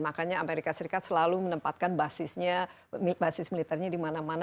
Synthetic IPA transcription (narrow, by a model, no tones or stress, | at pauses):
makaɲaameɾikasəɾikat̪̚səlalumənəmpat̪̚kanbasɪsɲa | mbasɪsmilit̪ɛrɲadimanaman